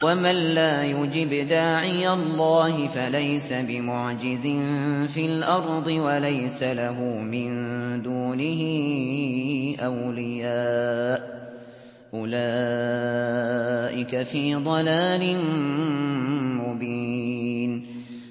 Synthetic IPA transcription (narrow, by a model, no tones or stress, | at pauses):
wamanlaːjʊd͡ʒɪbd̪aːʕɪjalˤːɑːɦɪfalajsabɪmʊʕd͡ʒɪzɪnfilʔɑɾˤd̪ˤɨwalajsalaɦuːmɪnd̪uːnɪhɪ | ʔawlɪjaːʔ | ʔʊlaː | ʔɪkafiːd̪ˤɑlaːlɪn | mʊbiːn